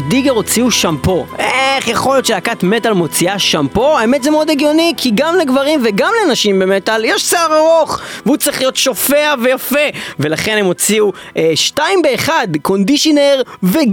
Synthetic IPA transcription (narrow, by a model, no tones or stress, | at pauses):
diɡeʁo̞t͡siuʃampo̞ʔeχjaχo̞ljo̞tʃelakat̪metalmo̞t͡siaʃampo̞aemetzemeo̞deɡjo̞nikʰiɡamleɡvaʁimveɡamlenaʃimbemetaljɛʃseaʁaʁo̞χveut͡sʁiχlijo̞tʃo̞feavejafe̞ve̞laχe̞nemo̞t͡siu | ʔeʃtaimbeːχadko̞ndiʃineʁve